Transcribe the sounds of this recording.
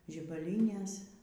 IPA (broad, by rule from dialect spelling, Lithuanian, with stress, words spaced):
ʒʲɪbɐˈlʲiːnʲeːs